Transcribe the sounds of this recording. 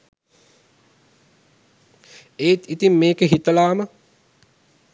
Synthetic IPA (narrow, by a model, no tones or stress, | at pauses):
eːt̪it̪imːeːkəɦit̪əlaːmə